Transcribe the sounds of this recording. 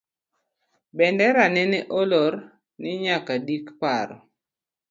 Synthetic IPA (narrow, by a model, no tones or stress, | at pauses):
bɛndɛɾanɛneʔolɔr | nɪɲakadikpaɾɔ̰